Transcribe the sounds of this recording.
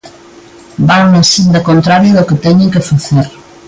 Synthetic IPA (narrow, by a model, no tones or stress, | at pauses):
baŋnasind̪ɐkont̪ɾaɾjoðʊket̪ɛɲeŋkɪfaθeɾ